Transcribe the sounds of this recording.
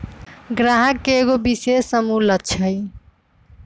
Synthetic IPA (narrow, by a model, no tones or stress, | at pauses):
ɡɾaɦəkːeːɡobisesːəmulət̪̚t͡ʃʰəj